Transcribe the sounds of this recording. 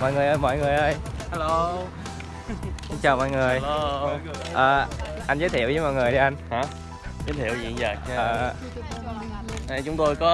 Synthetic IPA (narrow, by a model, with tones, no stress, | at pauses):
mɔ̰˧˨jŋɨ˨˩əjʔəː˧jmɔ̰˧˨jŋɨ˨˩əjʔəː˧jha˦lo˧ | sɨ˧˦ŋt͡ɕaː˨˩wmɔ̰˧˨jŋɨ˨˩əj | ʔəː˨˩ | ʔa˧n̟zəː˨˦t̪ʰi˧˨əwzəː˨˦mɔ̰˧˨jŋɨ˨˩əjɗi˧ʔa˧nh | zəː˨˦jt̪ʰi˧˨əwzḭ˧˨nzaː˨˩˧əː˨˩ | a˧˩t͡ɕʊ˨˦ŋ͡mt̪o˧jkɔ˨˦